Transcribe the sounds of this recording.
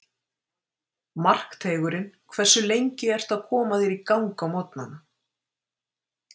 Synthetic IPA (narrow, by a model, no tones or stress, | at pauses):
mar̥kt̪ʰeːjɣʏɾɪnkʰvɛ̥sːʏlejɲcɪɛr̥t̪aðkʰɔːmaðiɾikawŋkamɔt̪nana